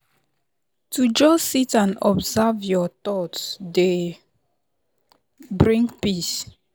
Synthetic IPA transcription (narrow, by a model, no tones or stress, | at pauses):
tʰud͡ʒɔsitãnɔbzavjɔt̪ɔtde | bɹĩŋpis